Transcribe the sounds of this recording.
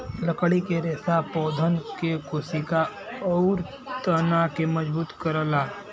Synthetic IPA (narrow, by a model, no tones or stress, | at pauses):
ləkɽikeɾeːsapɔːd̪ʱənkekʊsikaɔʊɾ | t̪ənakeməd͡ʒbuːt̪kəɾəlaː